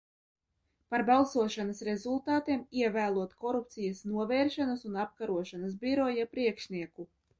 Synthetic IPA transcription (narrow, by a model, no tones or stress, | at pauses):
paɾbalˠsuɔʃanasɾezulˠt̪aːt̪iɛmiɛvæːlˠuɔt̪kɔɾup̚t̪sijasnuɔvɛːɾʃanɐsunap̚kaɾuɔʃanas̬bʲiɾɔjapɾiɛkʃniɛku